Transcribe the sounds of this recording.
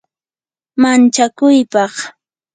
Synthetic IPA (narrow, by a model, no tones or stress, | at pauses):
mant͡ʃakʊjpɑχ